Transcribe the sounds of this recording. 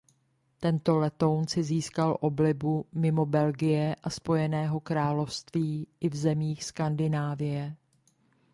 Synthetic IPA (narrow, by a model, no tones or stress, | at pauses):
t̪ɛnt̪o̞lɛt̪o̞wnt͡sɪziːskalʔo̞blɪbumɪmo̞bɛlɡɪjɛʔaspo̞jɛnɛːɦo̞kɾaːlo̞fst̪viːʔɪvzɛmiːxskandɪnaːvɪjɛ